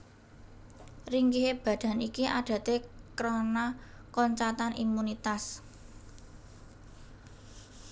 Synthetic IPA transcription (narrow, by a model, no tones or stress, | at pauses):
riŋkiɦeb̥ä̤d̪̥ä̤nikiʔaɖ̥ä̤t̪ekɾonakɔɲt͡ʃat̪anʔḭmunit̪as